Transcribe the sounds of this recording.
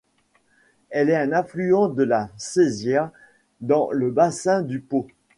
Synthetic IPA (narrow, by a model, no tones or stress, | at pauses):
ɛlɛɛ̃nɛ̃flyɑ̃d̪əlasezjɛʁ | d̪ɑ̃ləbasɛ̃d̪ypo